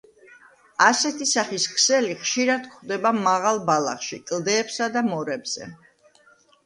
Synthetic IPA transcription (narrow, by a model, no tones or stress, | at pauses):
asɛt̪ʰisaχiskʰsɛliχʃiɾad̪̥̚kχd̪ɛbamaʁalˠbalˠa̰χʃḭkʼlˠd̪ɛːpsad̪amɔɾɛbz̥ɛ̰